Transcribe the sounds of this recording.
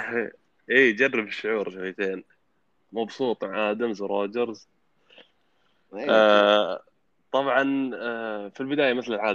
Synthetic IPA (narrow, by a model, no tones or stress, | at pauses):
ʔiːd͡ʒɑrːɑbɪʃːʊʕuːɾˤʃawjːat̪eːn | mɑbsˤuːt̪ˤʕaːd̪amzʊɾˤɑːd͡ʒɑɾz | t̪ˤɑbʕɑn | filbɪd̪aːjamɪθlɪlʕaːd